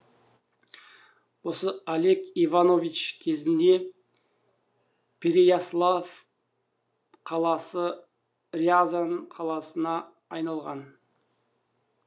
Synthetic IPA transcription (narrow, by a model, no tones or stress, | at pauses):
wo̞səale̞kivano̞vit͡ʃkʲʰe̞zɪnd̪e̞ | pʲʰeɾejaslˠav | qʰɑlˠɑsə | riazanqʰɑlˠɑsənɑː | jnɑlˠʁɑn